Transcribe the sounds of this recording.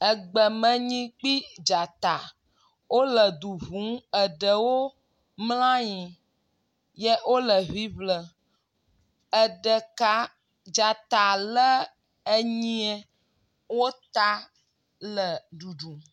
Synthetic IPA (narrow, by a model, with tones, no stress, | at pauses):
ə˨ɡ͡bə˨mə̃˨ɲĩ˦k͡pi˦d͡ʒa˨t̪a˨ | wo˦lə˨d̪u˨βũ˨˦ə˨ɖə˨wo˦ | ml̃ã˦ɲĩ˨ | jɛ˦wo˦lə˨βi˦βlə˨ | ə˨ɖə˨ka˦ | d͡ʒa˨t̪a˨lə˦ | e˦ɲĩ˦ɛ˦ | wo˦t̪a˦ | lə˨ɖu˨ɖu˨